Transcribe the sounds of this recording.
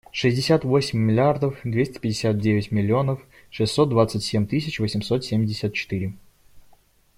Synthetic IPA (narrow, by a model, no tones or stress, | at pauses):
ʂɨzʲdʲɪsʲat̪vo̞sʲɪmʲːɪlʲɪard̪əfd̪vʲesʲtʲɪ̥pʲɪdʲɪ̥sʲat̪̚dʲevʲɪtʲmʲɪlʲːɪo̞nəf | ʂɨsʲːo̞t̪̚d̪vat̪sɨtʲsʲemʲt̪ɨsʲɪt͡ɕvəsʲɪmso̞t̪sʲemʲdʲɪsʲət̪̚t͡ɕɪ̥t̪ɨɾʲɪ